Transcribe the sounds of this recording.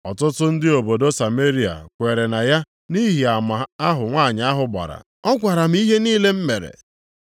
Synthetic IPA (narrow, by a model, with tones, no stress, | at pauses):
ɔ˨tʊ˦tʊ˦n̩˦dɪ˦o˨bo˨do˦sa˨me˦ɾi˦a̰˨kʷe˨ɾe˨na˨ja˦ | ni˦ɦi˨a˨ma˨a˦ɦʊ˨ŋʷaː˦˨ɲ˨a˦ɦʊ˨ba̰˨ɾa̰˨ | ɔ˦ɡʷa˨ɾa˨m̩˦i˦ɦe˦niː˦le˦m̩˦me˨ɾḛ˨